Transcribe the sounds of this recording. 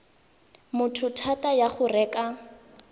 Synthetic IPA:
mʊtʰʊtʰatajaχʊrɛːka

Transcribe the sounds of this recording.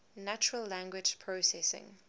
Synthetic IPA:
nat͡ʃəɹəlːæ̃ŋɡwɪd͡ʒpʰɹosɛsɪ̰̃ŋ

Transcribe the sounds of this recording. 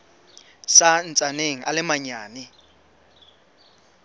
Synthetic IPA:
san̩t͡sʼaneŋ̩ʔa̰lɪmaɲaːnɪ

